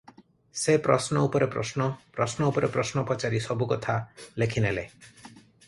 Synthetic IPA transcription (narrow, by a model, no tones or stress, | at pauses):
sepɾɔsnɔupɔɾepɾɔ̰snɔpɾɔsnɔupɔɾepɾɔsnɔpɔt͡ʃaɾisɔbukɔt̪ʰalekʰinele